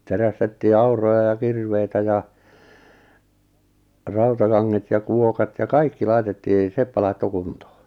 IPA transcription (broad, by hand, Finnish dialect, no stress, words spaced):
teræstetːiː ɑurˑojɑ jɑ kirʋeitæ jɑ rɑutɑkɑŋːet jɑ kuokɑt jɑ kɑikːi lɑitetːiː sepːæ lɑitːo kuntoː